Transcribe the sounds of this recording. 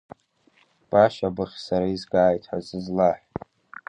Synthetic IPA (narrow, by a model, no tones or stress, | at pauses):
b̥aʃabɨχʲsaɾaizɡaːjtʰħazɨzlaħ